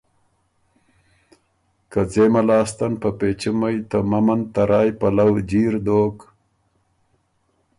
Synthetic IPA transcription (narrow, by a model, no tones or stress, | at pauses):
kɐd͡zeːmɐlɑːst̪ɐnpɐpeːt͡ɕimɐjt̪ɐmɐmɐnt̪ɐɾaːjpɐlɐwd͡ʑiːɾd̪oːk